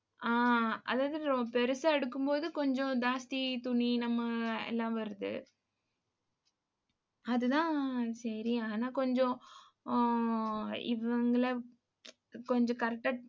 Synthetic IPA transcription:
aːɐ̰ðaːðɯɾɔbɐpɛɾɯsɐɛɽɯkːɯmpoːðɯkɔɲd͡ʒõd̪aːst̪it̪ʊɳinɐmːɐɛ̰lːãːʋɐɾɯðɯ̰ | ɐðɯt̪ãːsɐɾiaːnaːkɔɲd͡ʒõ | ɪ̰ʋɐŋɡɐɭɐ | kɔɲd͡ʒɔ̃kɐɾʈːɐ

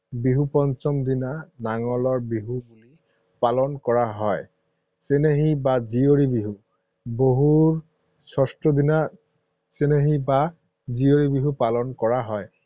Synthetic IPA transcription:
biɦupɔnt͡ʃɔmdinanaŋɔlɔɹbiɦubuli | palɔnkɔɹaɦɔj | seneɦibazioɹibiɦu | boɦuɹ | sɔstɹɔdina | seneɦiba | zioɹibiɦupalɔnkɔɹaɦɔj

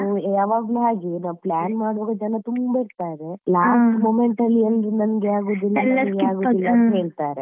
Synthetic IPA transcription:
aʋaːɡlɦaːɡinaːʋplaːnmaːɽuʋɐɡɐd͡ʒɐnɐt̪umbɐiɽt̪aːɾelaːsʈmoːmeɳʈɐlːiɐnd̪unɐnɡeaːɡuːd̪ilːaɐnɡeaːɡuːilːɐɐnnɐɦeːɭt̪aːɾe

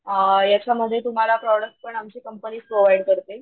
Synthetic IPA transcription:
jat͡ɕʰam̤əd̪ʱjet̪um̤alapɾɔɽək̚ʈ̚pəɳamt͡ɕiːkəmpəniːspɾoʋajɽkəɾt̪e

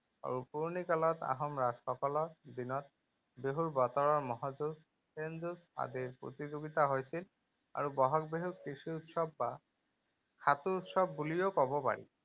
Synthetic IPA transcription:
a̰ɹupuɹnikalɔt̪a̰ɦɔmɹadxɔkɔlɔɹd̪inɔt̪̚ | beɦuɹbɔt̪ɔɹɔɹmɔɦazus | penzusa̰diɹpɹo̰t̪izoɡit̪aɦojsil | a̰ɹubɔɦɔkbeɦukisiut̪sɔbːa | kʰat̪uːtsɔbːulijokɔbɔpa̰ɹḭ

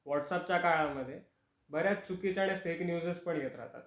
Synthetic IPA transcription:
ʋɔʈsap̚t͡ɕjakaɭaməd̪ʱːje | bəɾjat͡st͡sukit͡ɕaɽ̃efeknjud͡zəspəɳjet̪ɾa̰ɦt̪a̰t̪

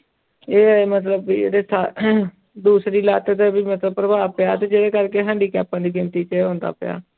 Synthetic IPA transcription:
eːmət̪ləbiːḛːd̪eːsa | d̪uːsɾiːlaːt̪ːt̪eːbiːmət̪ləb̚pɾəbaːpɪjaːt̪eːd͡ʒeːɾeːkəɾkeːɦɛ̃ːɳɖiːkɛːpãːd̪iːɡɪmt̪iːt͡ʃeɦõːnd̪a̰ːpɪ̰ja̰ː

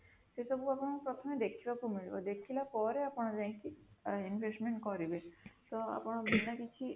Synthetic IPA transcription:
sesɔbuapɔɽ̃pɾɔt̪ʰɔmed̪ekʰibakumiɭibo̰d̪ekʰilapɔɾeapɔɽ̃ad͡ʒãkiinbʱesʈmeɳʈkɔɾibet̪ɔa̰pɔɽ̃abinakit͡ɕʰi

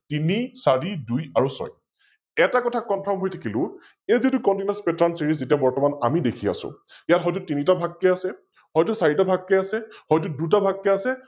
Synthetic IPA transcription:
tinisaɹidujaɹusɔ̰j | ɛtakɔtʰakːɔnpʰɔɹmɦojtʰakʰilʊ̃ | ezitukɔntinaspɛtɹansiɹis̬zetijabɔɹtɔmanamidekʰia̰sʊ̰̃jatɦɔjtutinitabʱakːɛasɛ | hɔjtusaɹitabʱakːɛasɛhɔjt̬udut̬abʱakːɛasɛ

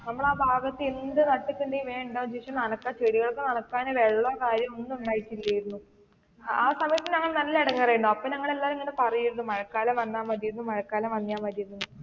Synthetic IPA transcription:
nɐmːɐɭaːbʱaːɡɐt̪ːɨind̪ɨnɐʈːikʲːuɳdejiʋeːɳɖoːd͡ʑiʂɐmnɐnɐkːaːt͡ɕeɽiɣɐɭokːenɐnɐkːaːnɨʋeɭːɐkaːɾjɐmonːuuɳɖaːjitːiilːɐjiɾunːu | aːsɐmɐjɐt̪ːinɲɐŋːɐɭnɐlːileɽɐŋːɐɐrɐjɾunːuɐpːonɐŋːɐɭelːaːɾeŋːɐnepɐrɐjiɾunːumɐɻɐkːaːlɐmʋɐnːaːmʋɐɾijuɾunːumɐɻɐkːaːlɐmʋɐnːijaːmɐɾijuðunːu

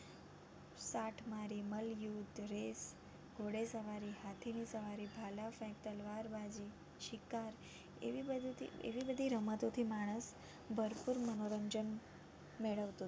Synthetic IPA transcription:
saʈʰmaɾiməljud̪ɾes | ɡʱoɽesəʋaɾihat̪ʰinisəʋaɾibʱalafɛ̃k̚t̪əlʋaɾbad͡ʒi | ʃikaɾ | ḛʋibəd̪t̪ḭḛʋibəd̪ʱiɾəmət̪ot̪ʰimaɽ̃əs | bʱəɾpuɾmənoɾəɲd͡ʒən | meɭəʋt̪u

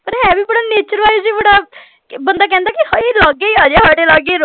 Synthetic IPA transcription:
pəɾɦɛ̃ːʋiːbəɽaːneːt͡ʃəɾʋaːjed͡ʒiːbəɽaː | bənd̪aːk̬ɛ̃ːnd̪aːkɪheːlaːɡeiaːd͡ʒeːɦɔːɽeːlaːɡeɾo

